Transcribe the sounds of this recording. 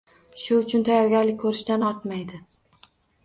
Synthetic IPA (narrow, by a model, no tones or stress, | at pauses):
ʃʊʊt͡ʃʰʊnt̪ʰajɒɾɡʲaɾlɪk̚ʲkʰɵɾɪʃt̪anɒɾt̪majd̪ɪ